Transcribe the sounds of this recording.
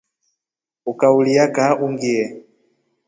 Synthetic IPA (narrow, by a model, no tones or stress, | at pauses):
ukaulijakaʔuŋɡiɛ